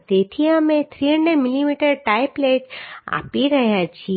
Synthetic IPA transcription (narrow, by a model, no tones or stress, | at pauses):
t̪et̪ʰiamẽt̪ʰɾiəɳɖẽmilimiːʈəɾʈaɪpleːʈa̰ːpiɾɐɦjãt͡ʃʰi